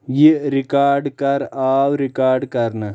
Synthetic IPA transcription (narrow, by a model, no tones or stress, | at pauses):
jiɾikaːɾɖkɐɾaːwɾikaːɾɖkɐɾnɐ